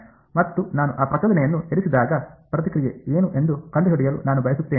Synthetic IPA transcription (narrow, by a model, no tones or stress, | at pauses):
mɐt̪ːunaːnuʔaːpɾɐt͡ʃɐd̪ɐnɛjɐnːueɾisid̪aːɡɐpɾɐt̪ikɾijeeːnuʔe̞nd̪ukɐɳɖuɦiɽijɐlṵnaːnubʱɐjɐsut̪ːeːni